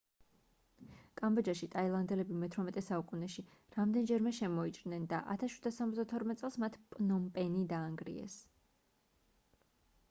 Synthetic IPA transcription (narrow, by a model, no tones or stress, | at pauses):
kʼambɔd͡ʒaʃit̪ʼailˠand̪ɛlɛbimɛt̪ʰɾɔmɛt̪ʼɛsaukʼunɛʃiɾamd̪ɛnd͡ʒɛɾmɛʃɛmɔit͡ʃʼɾnɛnd̪aʔa̰t̪ʰasʃwid̪asamɔzd̪at̪ʰɔɾmɛt̪sʼɛlˠsmat̪ʰpʼnɔmpʼɛnid̪aːŋɡɾḭɛ̰s